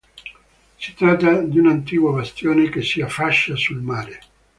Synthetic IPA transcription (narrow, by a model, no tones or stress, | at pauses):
si̥t̪ɾat̪ːad̪iunant̪̬iːkwabast̪joːnekesːiafːaʃːasulmaːɾe